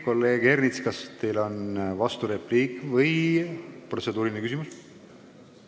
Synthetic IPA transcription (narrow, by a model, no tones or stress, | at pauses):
ko̞lːe̞ːɡernit̪skɑst̪e̞jlo̞nvɑst̪uɾepliːkvɤj | pro̞t̪se̞d̪uːɾilinekysimus